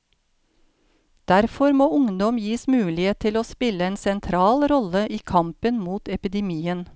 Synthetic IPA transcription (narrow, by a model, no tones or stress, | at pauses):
d̪̥æɾfɔɾmoːʊŋd̪ɔmjiːsmʉːlɪeːt̪ʰɪloːspɪləeːnsɛnt̪ʰɾɑːlɾɔləʔiːkʰɑmpənmuːt̪ɛpɪd̪ɛmiːən